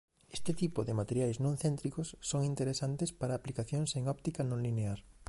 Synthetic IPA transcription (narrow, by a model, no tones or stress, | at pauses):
est̪ɪt̪ipoðɪmat̪eɾjajznõnθent̪ɾikosːoŋint̪eɾesant̪espaɾaːplikaθjoŋseŋɔp̚t̪ikanõŋlineaɾ